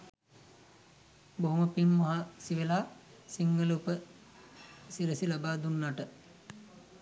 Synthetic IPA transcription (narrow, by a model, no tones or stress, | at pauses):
boɦoməpimːaɦasiʋelaː | siŋɡəlupə | siɾəsilabaːd̪unːaʈə